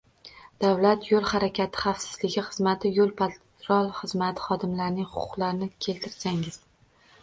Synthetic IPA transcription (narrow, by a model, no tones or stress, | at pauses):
d̪̥avlat̪jolˠhaɾakʲʰat̪ʰɪ̥χɑfsɪ̥z̥lɪɡʲɪχɨzmat̪ʰɪjolˠpʰat̪ | ɾɒlˠχɨzmat̪ʰɪ̥χɒd̪ɪmlaɾnɪŋχʊ̥qʰʊ̥qlaɾnɪkʲʰe̞lt̪ʰɪɾsaŋɪz̥